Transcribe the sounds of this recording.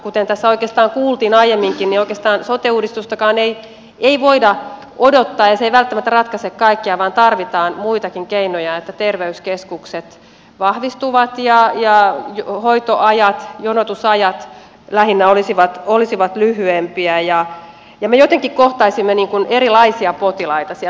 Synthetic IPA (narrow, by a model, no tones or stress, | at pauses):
kut̪ent̪æsːæoikˑeːst̪ɑːŋkuːlt̪iːnɑijemːiŋkinnioikeːst̪ɑːnsot̪euːdist̪ust̪ɑkɑːnei | eiʋoidɑ | odot̪ːɑːjɑseiʋælt̪ːæmæt̪ːærɑt̪kɑsekkɑikːiɑʋɑːnt̪ɑrʋit̪ɑːnmuit̪ɑkiŋkeinojɑet̪ːæt̪erʋeyskeskukset̪ | ʋɑhʋist̪uʋɑt̪jɑjɑjhoit̪oʔɑjɑt̪jonot̪usɑjɑt̪ | læhinːæolisiʋɑt̪olisiʋɑt̪lyhyempiæjɑ | jɑmejot̪eŋkikkoht̪ɑisimːeniːŋkuneɾilɑisiɑpot̪ilɑit̪ɑsi